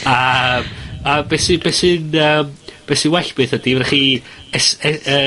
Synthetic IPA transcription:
əmabesɨbesɨnəːmb̥esɨwɛɬb̥ɨːθədivɛχi | ɛsɛə

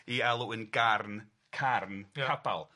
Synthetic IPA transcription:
iɛlˠʊənɡarn | kʰarnʰaba̰lˠ

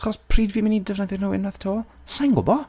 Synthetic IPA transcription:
χɔspʰriːdviːmɪnidəvnaðɪrnuwɪnað̥tʰoːsaŋɡʊ̰bɔ

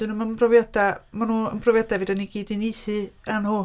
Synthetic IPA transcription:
d̥ɨnumabʰrɔvjad̥amanuːənbʰrɔvjadaviːdaniɡ̥iːdinijθɨanhu

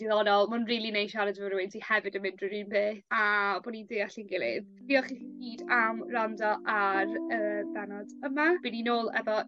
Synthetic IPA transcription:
diðɔnɔlˠmʊnriːlˠinejʃaɾɛdvəɾwɪntʰihɛvɨdəmɪndrɪɾɪːnbeːabɔnindeːaɬinɡɪlˠɪ̰ð | viːɔχiihiːdamrandɔʔarəːbɛnɔdəmab̥ɪninoːlˠɛ̰vɔ

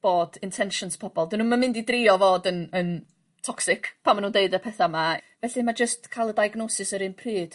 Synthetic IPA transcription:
b̥oːd̥ɪntʰɛnʃɔnspʰɔbɔlˠdɪnuːmamɪ̃ndidrɪɔvoːdənən | tʰɔksɪkʰpʰamanuːndeɨdəpʰɛθamavɛɬɨmad͡ʒəstkʰajlˠədajɡnɔsɪsəɾɨnpʰriːd̥

